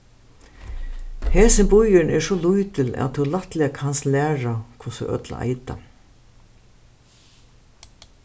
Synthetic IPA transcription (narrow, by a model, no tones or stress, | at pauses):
heːsɪnbʊjɪɳɛʂɔlujt̪ɪlæ̰ðt̪ʰulat̪lɪakʰanslæːɹakʰʊsʊ̰ʔœ̰t̪la̰ɪt̪a̰